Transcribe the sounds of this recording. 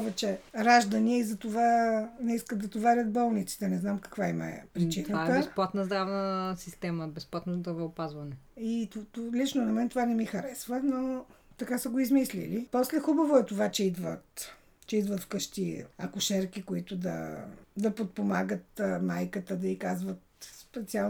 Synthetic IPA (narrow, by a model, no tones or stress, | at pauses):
pɔvɛt͡ʃɛɾaʒd̪ɐniɛizɐt̪ovanɛiskət̪d̪ɐt̪ovaɾʲət̪̚bɔlˠnit̪si̥t̪ɛnɛznamkɐ̥kvaimɐɛ̰pɾit͡ʃinəvat̪ːəbɛsplˠat̪nəzd̪ɾavnəsist̪ɛməbɛsplˠat̪nozd̪ɾɐvoopazvɐnɛit̪t̪lit͡ʃnonɐmɛnt̪ovanɛmixɐɾɛsvənot̪ɐkasəɡoizmislḭlipɔslɛxubəvoɛt̪ovat͡ʃɛid̪və̰t̪ | t͡ʃɛid̪vət̪fkɤʃt̪iɐkʊʃɛɾkikoit̪ʊd̪ɐ̰d̪ɐpot̪̚pomaɡət̪majkət̪əd̪ɐikazvət̪spɛt̪sia